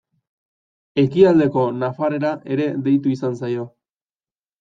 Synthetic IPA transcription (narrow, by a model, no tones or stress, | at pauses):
e̞kiald̪e̞ko̞nafaɾe̞ɾaʔe̞ɾe̞ðe̞jt̪̬uisansajo̞